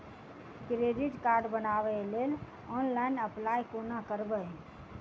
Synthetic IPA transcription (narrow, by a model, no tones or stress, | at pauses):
kɾeɖiʈkaɾɖbənaβɛlel | ɔnlainəplajkonakəɾbə